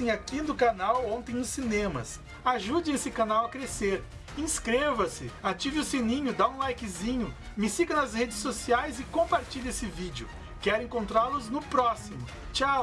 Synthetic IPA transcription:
ẽj̃akinʊkanawõnt̪ẽj̃nʊsinẽmɐ̰s | aʒud͡ʒẽesɪkanawɐkɾeseɾ | ĩskɾevɐsɪat͡ʃivɪʊsinĩɲʊd̪aũlajkɪzĩɲʊmɪsikɐnɐzhed͡ʒɪsːosiajzɪkõpaɾt͡ʃiʎesɪvid͡ʒʊ̰ | kɛɾẽŋkõnt̪ɾaɾlʊznʊpɾɔsimʊ | t͡ʃa

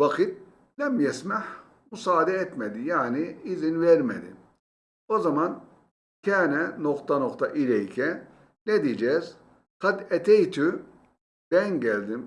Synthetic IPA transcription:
vakɯt̪̚ | lɛmjɛsmaħ | musaːd̪ɛɛt̪med̪ijaːniːzinvɛɾmḛd̪ḭ | ozaman | cʰɛːnɛnoqt̪anoqt̪ʰaʔilɛjcʰɛ | ned̪id͡ʒɛz | qad̪ɛt̪ʰɛjt̪ʰy | b̥ɛnɟɛlʲd̪im

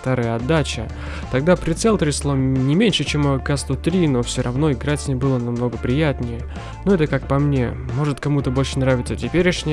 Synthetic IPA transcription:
t̪aɾajɐd̪ːat͡ɕə | t̪ɐɡ̚d̪apɾʲɪt̪sɛlʲˠt̪ɾʲɪslˠonʲɪmʲenʲʂɨt͡ɕemɐkast̪ʊt̪ɾʲino̞fsʲoɾʔɐvno̞ɪɡɾatʲnʲɪbɨlˠənɐmno̞ɡəpɾʲɪjat̪ʲnʲɪjə | noɛt̪əkak̚pɐmnʲe̞̰mo̞ʐɨt̪kɐmut̪əbo̞lʲʂənɾavʲɪt̪sətʲɪpʲeɾʲɪʂnʲɪ

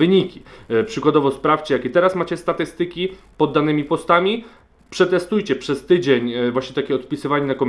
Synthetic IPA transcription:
ɘɲikʲipʂɘkwad̪ɔvɔspɾaft͡ɕɛjakʲɛt̪ɛɾasmat͡ɕɛst̪at̪ɘst̪ɘkʲi | pɔd̪ːanɘmʲipɔst̪amʲi | pʂɛt̪ɛst̪ujt͡ɕɛpʂɛst̪ɘd͡ʑeɲvwaɕɲɛt̪akʲɛɔt̪pʲisɘvaɲɛnakɔmʲ

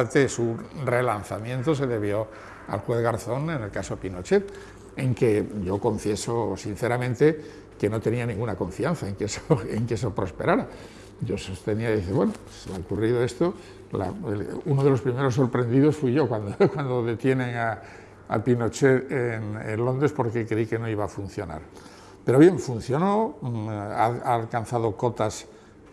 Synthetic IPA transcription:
t̪esure̞lanθamjẽ̞nt̪o̞se̞ðe̞β̞jo̞ | a̰lxwe̞θɣaɾθo̞ne̞ne̞lkasopino̞t͡ʃet̪ | eŋke̞ʝo̞ko̞ɱfje̞so̞sin̟θeɾamẽnt̪e | ke̞no̞t̪e̞nianĩŋɡunakõ̞ɱfianθaeŋkesoḛŋkes̬opɾo̞spe̞ɾaɾa | ɟ͡ʝo̞sost̪e̞niaðiθeweno | selaokuriðoe̞st̪o | la̰elunoðe̞lo̞spɾime̞ɾo̞s̬ːo̞ɾpɾe̞nd̪iðo̞sfwiʝo̞kwand̪okwand̪oðe̞t̪je̞ne̞ŋa | a̰pino̞t͡ʃe̞ðenḛnlo̞nd̪ɾe̞spo̞ɾke̞kɾeike̞no̞iβaːfun̟θjo̞na̰ɾ | pe̞ɾoβje̞ɱfun̟θjo̞no̞ | a̰alkan̟θaðo̞ko̞t̪as

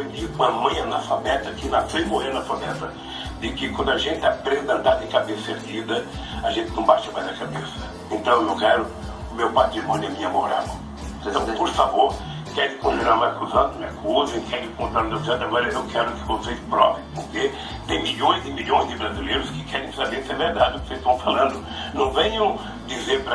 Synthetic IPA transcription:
ẽdɪkũɐmɐ̃j̃ɐnɐfabɛt̪ɐkɪnasemoheɾnɐfabɛt̪ɐ | d̪ɪkɪkwɐ̃nd̪ʊaʒẽnt̪ɪapɾẽd̪ɐ̃d̪ad̪ẽkabesɐeɾd͡ʒid̪ɐ | aʒẽnt̪ɪnɐ̃w̃baʃɐmajzd̪ɐkabesɐ̥ | ẽnt̪ɐ̃w̃ewkɛɾʊ | ʊmewpat̪d͡ʒɪpɐ̃d̪emiɐmoɾa̰mʊ̃ | ẽt̪ɐ̃w̃poɾfavoɾ | kɛɾɪkõt̪inaɾmakuzɐ̃d̪ʊmakʰuzẽkɛd͡ʒɪkõt̪ɾãɾ̃d̪akuzɐ̃d̪aɡɔɾɐewkʰɛɾʊkɪ̥kõsejt̪pɾɔpɾiʊpoɾke | t̪ẽj̃miʎõj̃zɪmiʎõj̃zd̪ɪbɾazilejɾʊskɪkʰɛɾẽj̃sabesɛveɾd̪ad͡ʒɪʊkosest̪ɐ̃w̃falɐ̃nd̪ʊ | nɐ̃w̃vẽɲɐ̃w̃ | d̪izeɾpɾɐ

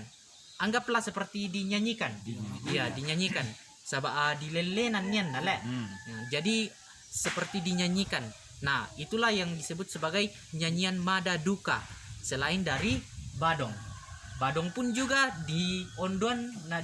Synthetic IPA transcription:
n | ʔaŋɡaplahsəpərt̪idiɲaɲikanjadiɲaɲikan | sabaʔdilelenanːianːalɛʔd͡ʒadi | səpərt̪idiɲaɲikanː | ahit̪ulahjaŋdisəbʊt̪̚səbaɡaj | ɲaɲianmadaduka̰səlaɪndaɾibadɔŋbadɔŋpʊnd͡ʒuɡadiɔndoanːa

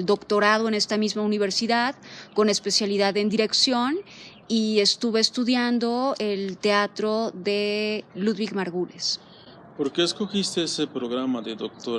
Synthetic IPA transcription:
ld̪o̞kt̪o̞ɾaðo̞ene̞st̪amizmauniβ̞e̞ɾsiðaðko̞ne̞spe̞sjaliðaðe̞nd̪iɾe̞ksjo̞n | ie̞st̪uβe̞ːst̪uðjand̪o̞e̞lt̪e̞at̪ɾo̞ðe̞luðβiɣmaɾɣules | po̞ɾkeeskoxist̪eesepɾoɣɾamaðeðok̚t̪o

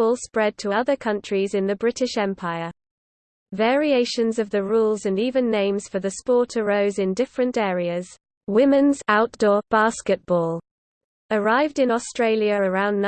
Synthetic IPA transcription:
ɔlˠspɹɛd̚tʰəʌðəkʰʌ̃nt͡ʃɹ̥izɪ̃nðəbɹɪtɪʃɛ̃mpʰaɪə | vɛːɹieɪʃə̃nzəvðəɹuːlˠzə̃niːvə̃nːẽɪ̃mz̥fəðəspɔˑtʰəɹəʊzɪ̃ndɪfɹə̃ntɛːɹiəz̥ | wɪ̃mɪ̃nz̥aʊʔd̥ɔːb̥ɑˑskɪʔ̚b̥ɔːlˠ | əɹaɪvdɪ̃nɔstɹ̥eɪljəɹəɹãʊ̃nː

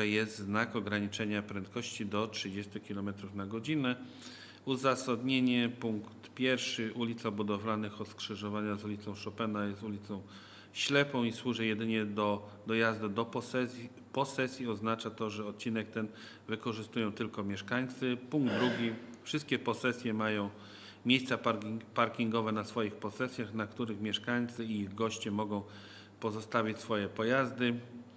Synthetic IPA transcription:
ɛjɛst̪znakɔɡɾaɲit͡ʂɛɲapɾɛnt̪kɔɕt͡ɕid̪ɔtʂɘd͡ʑɛst̪ukʲilɔmɛt̪ɾufnaɡɔd͡ʑinɛ | uzasad̪ɲeɲɛpuŋkt̪pʲjɛɾfʂɘʔulʲit̪sabud̪ɔvlanɘxɔt̪skʂɘʐɔvaɲazulʲit̪sɔ̃w̃ʂɔpɛnajɛst̪ulʲit̪sɔ̃w̃ | ɕlɛpɔ̃w̃iswuʐɛjɛd̪ɘɲɛd̪ɔ | d̪ɔjazd̪ud̪ɔpɛ | pɔsɛsʲjiɔznat͡ʂat̪ɔʐɛɔt̪̚t͡ɕinɛk̚t̪ɛn | vɘkɔʐɘst̪ujɔ̃w̃t̪ɘlkɔmʲjɛʂkaɲt̪sɘpuŋɡ̚d̪d̪ɾuɡʲifʂɘst̪̚kʲɛpɔsɛsʲjɛmajɔ̃w̃ | mʲjejst̪saapaɾkʲiŋɡɔvɛnasfɔjixpɔsɛsʲjaxnakt̪uɾɘxmʲjɛʂkaɲt̪sɘiiɣɡɔɕt͡ɕɛmɔɡɔ̃w̃ | pɔzɔst̪avʲit͡ɕʲsfɔjɛpɔjazd̪ɘ

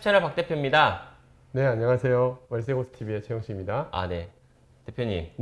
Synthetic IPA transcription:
t͡ɕʰanɯɭpak̚t͈e̞pʰjomɲida | ne̞aɲːʌŋasʰe̞jowʌɭs̬͈eɡosɯ̥tʰibiet͡ɕʰejoŋɕʰiɡimɲidaa̰ne̞ | t͈e̞pʰjoɲḭm

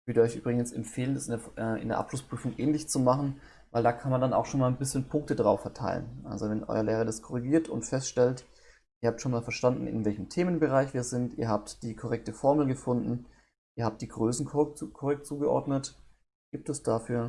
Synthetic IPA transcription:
v̥øːɾəɔʏçʔy̰ːbʁɪɡn̩sɛmfeːlənɛsɪneʔɪ̰ndeːɐʔa̰pʃlʊspʁ̥yːfʊŋʔɛːnlɪçt͡sumaχn̩ | vaɪldaːkʰanmandana̰ʊxʃoːnmaːlnbɪsçənpʰʊŋk̚tədʁaʊfɛɐtʰa̰ɪlə̰nʔa̰lzovɛnʔɔ̰ʏɐleːʁɐdaskʰɔʁiɡiːɐtʰʊ̰ntfɛstʃtɛlt | ʔiːəɐhaːp̚tʃoːnmaːlfɛɐʃtandn̩ɪ̰nvɛlçəm̩tʰeːmənbəʁaɪçviːɐzɪntʔiːɐɦaːptd̥iːkʰɔʁɛk̚təfɔɐml̩ɡəfʊndn̩ | ʔiːɐhaːp̚t̚d̥iːɡʁøːsn̩kkʰɔʁɛk̚tt͡suːɡəʔɔ̰ɐdnət | ɡ̥iːp̚tɛsd̥aːfyːɐ

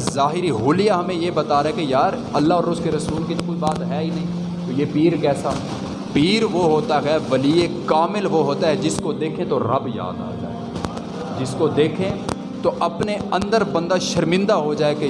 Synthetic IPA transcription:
zaːɦɪɾiɦʊlijaɦɐmẽjebɐt̪aːɾaɦɛekejaːɾ | ɐlːaɦɔːɾʊskeɾɐsuːlkid͡ʒokoibaːt̪ɦɛːinɐɦĩː | t̪ojepiːɾkɛːsa | piːɾʋoɦoːt̪aɦɛʋɐliekaːmɪlʋoɦoːt̪aɦɛd͡ʒɪskod̪eːkʰẽt̪oɾɐbja̰ːd̪a̰ːt̪a̰ɦɛː | d͡ʒɪskod̪eːkʰẽ | t̪oʔɐpneɐ̃nd̪əɾbɐ̃nd̪aʃɐɾmɪ̃nd̪aɦod͡ʒaːeke

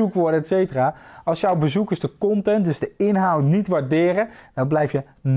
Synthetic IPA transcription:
ukʋɔdəɛtsejtəraːʔɑlˠsjɔwbəzukəzdəkɔntɛntdøzdəɪnɦawtnitʋaɹdɪːrəd̥ɑnblɛjfjə | n

